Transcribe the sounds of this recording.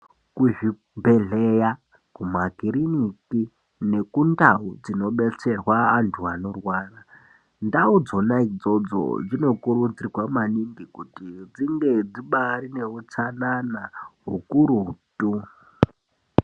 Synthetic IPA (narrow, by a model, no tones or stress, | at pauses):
kuʐi | bʱe̞ɮeja | kumaɡiɾiniki | ne̞kundaud͡zino̞ɓe̞t͡se̞rwaːntʰuano̞rwaːra | ndaud͡zonaid͡zo̞d͡zo̰d͡zino̞kuɾud͡zirwamaniŋɡikutid͡ziŋɡed͡ziɓaɾine̞ut͡sananaɦukuɾutʼu